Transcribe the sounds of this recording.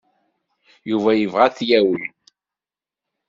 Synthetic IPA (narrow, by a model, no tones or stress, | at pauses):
juvæjəvʁæθjæwəl